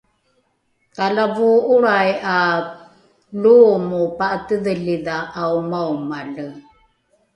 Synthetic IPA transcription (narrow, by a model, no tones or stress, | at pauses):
kalavuuɾaja | lumupaʔtəðəliðaʔːwmawmalə